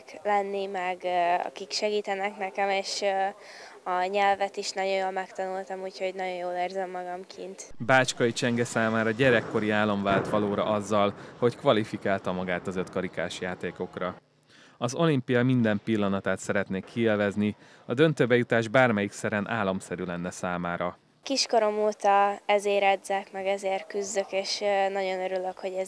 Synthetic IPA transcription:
klɛnːimɛɡɒ̰kikʃɛɡiːt̪ɛnɛknɛkɛmeːʃ | ɒɲɛlvɛt̪iʃnɒɟo̞j̪jolmɛkt̪ɒnult̪ɒmuːcho̞ɟnɒɟo̞joːleːrzɛmːɒɡɒmkʰint̪baːt͡ʃkɒit͡ʃɛŋɡɛsaːmaːɾɒɟɛɾɛkːo̞ɾiaːlːo̞ɱvaːlt̪ʋɒloːɾɒ̰ʔɒzːɒlho̞ckʋɒlifikaːlt̪ɒmɒɡaːt̪ɒzø̞t̪kɒɾikaːʃjaːt̪eːko̞krɒ | ɒzo̞limpijɒmind̪ɛmpilːɒnɒt̪aːt̪sɛɾɛt̪neːkːiilvɛzni | ɒd̪ø̞nt̪øːbɛjut̪aːʒbaːrmɛjiksɛɾɛnʔa̰ːlːɒmsɛɾylɛnːɛsaːmaːɾɒ | kiʃkoɾo̞moːt̪ɒɛzeːɾɛd̪zɛkmɛɡɛzeːrkyzːøkeːʃnɒɟo̞nøɾyløkho̞ɟɛ

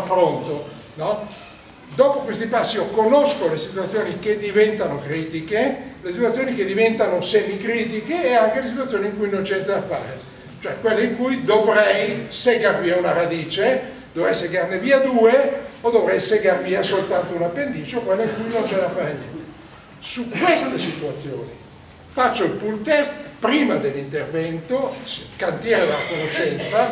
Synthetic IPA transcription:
afːɾont̪o | nɔ | d̪ɔːpokwest̪ipasːiokonoskolesit̪wat̪sːjoːniked̪ivɛnt̪anokɾiːt̪ikelesit̪wat̪sːjoːniked̪ːivɛnt̪anosemikɾiːt̪ikeːaŋk̟elesit̪wat̪sjoːniŋkujnont͡ʃɛnt̪ed̪afːa̰ːɾe | t͡ʃoɛkːwelːoiŋkujd̪ovɾɛjseɡarviːaunaɾad̪iːt͡ʃe | d̪̥ovɾɛjseɡarneviːad̪uːeod̪ovɾɛjseɡarviːasolt̪ant̪ounapːend̪iːt͡ʃokwelːoiŋkujnont͡ʃɛneafaɾenjɛnt̪e | sukwest̪elesit̪uat̪sːjo̰ːni | fat͡ʃːoipult̪ɛst̪pɾiːmad̪elːint̪ervɛnt̪okant̪jɛɾed̪elakonoʃɛnt̪sa

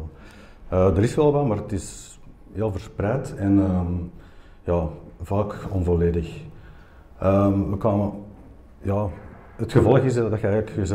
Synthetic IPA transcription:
əːdəɾɪsʋɛlˠʋɑmaːrətɪs | jeːlˠvərsprɛjtɛnəm | jɑːvaːkɔnvoleːdəx | əmʋəkaːmə | jɑː | ɦətxəvɔlˠəɣɪzddɑtxəɛjɣələkəzɛ

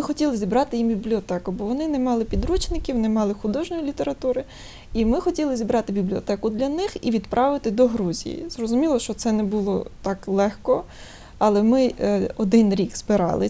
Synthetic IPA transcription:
ɪxɔtʲilˠɪzʲibɾɑt̪ɪjimbʲiblʲiɔt̪ɛkʊbɔʋɔnɪnɛmɑlˠɪpʲid̪ɾut͡ʃnɪkʲiwnɛmɑlˠɪxʊd̪ɔʒnʲɔjilʲit̪eɾɐt̪uɾɪ | imɪxɔtʲilˠɪzʲibɾɑt̪ɪbʲiblʲiɔt̪ɛkʊd̪lʲɐnɪxiʋʲid̪pɾʔɑʋɪt̪ɪd̪ɔɦɾuzʲḭjḭzrɔzʊmʲilˠɔʃt͡ʃɔt̪sɛnɛbulˠɔt̪ɑklˠɛxkɔ | ɐlˠɛmɪɔd̪ɪnɾʲiɡzbɪɾɑ̰lˠɪ̰

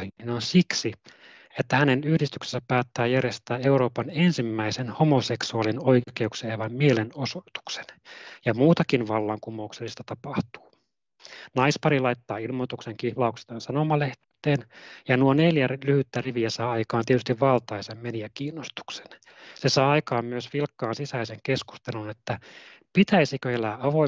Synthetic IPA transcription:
hiinonsiksi | et̪ːæhænenyhdist̪yksesːæpæːt̪ːæːjærjest̪æːeuro̞ːpɑnensimːæisenhomoseksuɑlinoikeukseejʋɑmmielenosot̪u̥kse̥njɑmuːt̪ɑkinʋɑlːɑŋkumoukselːist̪ɑt̪ɑpɑht̪u̥ː | nɑispɑɾilɑit̪ːɑːilmot̪ukseŋkihlɑuksi̥t̪ɑnsɑnomɑleht̪ː | eːnjɑnuoneljælyhyt̪ːæriʋiæsɑːɑikɑːnt̪ietyst̪iʋʋɑlt̪ɑisemmeniækiːnːost̪u̥kse̥n | sesɑːɑikɑːmmyøsʋilkːɑːnsisæiseŋkesku̥st̪elunet̪ːæpit̪æisikøelæːɑʋo

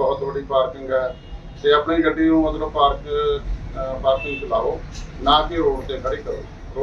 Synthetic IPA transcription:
bɔːt̪bəɽiːpaːɾkɪ̃ŋɡɛː | seːəpneiːɡəɖːiːũːod̪lõːpaːɾk | paːɾkɪ̃ŋɡt͡ʃəlaːoːnãːkɪɦoːt̪ẽːkəɽiːkəɾo̰ː | o

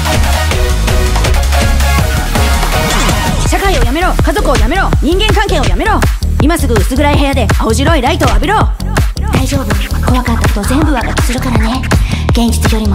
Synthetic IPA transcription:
ɕakaio̞jame̞ɾo̞ːkazo̞kɯ̟o̞jame̞ɾo̞ːɲ̟ĩŋɡẽ̞ŋkãŋke̞ːo̞jame̞ɾo̞ːimasɨɡɯ̟ɯsɨɡɯ̟ɾaihe̞jad̪e̞aoʑiɾo̞iɾait̪o̞ːabʲiɾo̞ː | d̪̥aiʑo̞ːbɯ̟ko̞βakat̪ːakot̪ozẽ̞mbɯ̟βaɡat̪ʲːi̥sɨɾɯ̟kaɾane̞ɡ̥ẽ̞ɲd͡ʑi̥t͡sɨioɾimo

